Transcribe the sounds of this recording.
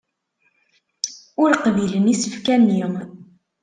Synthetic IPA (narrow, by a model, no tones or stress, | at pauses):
ʊɾqvilənisə̥fkænːiʁ